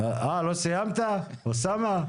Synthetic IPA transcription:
alosejamt̪a | osama

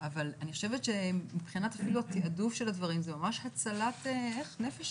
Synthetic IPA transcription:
avalaniχoʃevet̪ʃemipχinatafiluatiadufʃe̞ladvɐʁimzemamaʃhat͡salateeχne̞feʃ

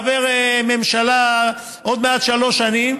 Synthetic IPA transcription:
veʁme̞mʃala | ʔod̪meat̪ʃalo̞ʃanim

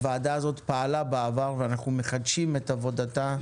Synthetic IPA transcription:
vaːdaːzo̞t̪paːlabaavaʁveanaχnume̞χad̪ʃime̞tavo̞data

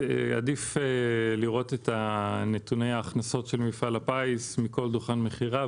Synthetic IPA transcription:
a̰difeliʁo̞tetʰane̞tune̞jaːχnaso̞tʃelmifalapaismiko̞lduχanmeχiʁa

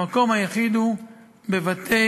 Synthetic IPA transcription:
ako̞mhajaχid̪u | bevat̪ʰe

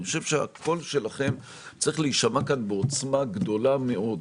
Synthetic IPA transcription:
χoʃevʃea̰ko̞lʃe̞laχe̞m | t͡saʁiχleiʃamakanbeot͡smaɡd̪o̞lame̞o̞d

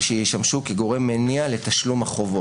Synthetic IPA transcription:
ʃejiʃamʃukeɡo̞ʁe̞mːenialet̪aʃlumhaχovo

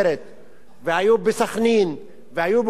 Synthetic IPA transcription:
ɾet̪̚ | ʋaːjobɪsɐxniːn | ʋaːjub

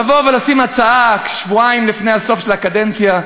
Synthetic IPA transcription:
avo̞velasimat͡saakʃvuaimlifnejhaso̞fʃelakad̪ent͡sja

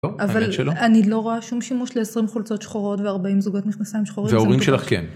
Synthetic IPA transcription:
oavvalʃeloanilo̞ʁoaʃumʃimuʃleesʁimχult͡so̞t̪ʃχoʁo̞tveaʁbaimzuɡotmiχnasaimʃχoʁiveaoʁimʃelaχkḛn

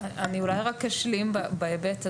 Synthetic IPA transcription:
ʔaniulajʁakːaʃlimbabeebeta

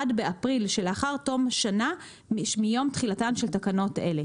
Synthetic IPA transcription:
adbeapʁilʃelaχaʁto̞mʃana | mijo̞mtχilatanʃeltakano̞te̞̰le̞

